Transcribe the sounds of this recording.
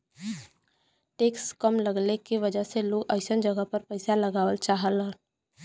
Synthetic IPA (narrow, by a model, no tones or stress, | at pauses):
ʈeːkskəmləɡlekiʋəd͡ʒəseloːɡəɪsənd͡ʒəɡəpəɾpəɪsaləɡaːʋəlt͡ʃaːɦəlɦə̃